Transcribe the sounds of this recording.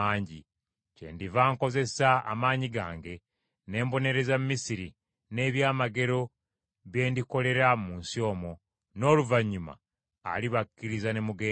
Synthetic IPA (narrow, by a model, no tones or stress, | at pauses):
aːɲɟi | ce̞̰ndivaːŋko̞ze̞saa̰maːɲiɡa̰ːŋɡe̞ | ne̞ːmbo̞ne̞ɾe̞zammisiɾi | ne̞ːβjaːmaɡe̞ɾo̞ | βe̞ːndiko̞le̞ɾamuːnsio̞ːmo̞ | no̞ːluvaɲːuma̰ː | liβakːiɾizane̞muɡeː